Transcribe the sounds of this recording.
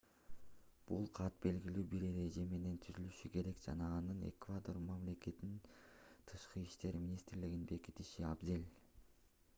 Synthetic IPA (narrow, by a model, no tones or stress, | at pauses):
b̥ulˠqʰɑt̪be̞lɡilyːbiɾe̞ɾe̞d͡ʒe̞me̞ne̞nt̪ʰyzylyʃyke̞ɾe̞kd͡ʒɑ̰nɑːnɯne̞̰kvad̪ormamle̞ke̞t̪nint̪ʰɯʃqɯiʃt̪e̞ɾmʲinʲist̪rliɡinbe̞kit̪iʃiabzelʲ